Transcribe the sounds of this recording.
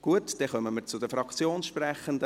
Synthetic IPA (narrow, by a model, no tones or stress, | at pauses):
ɡ̥uətd̥ɛχœməməɾt͡sʊd̪əfɾɑkt͡sjoːnsʃprɛχənd̪ə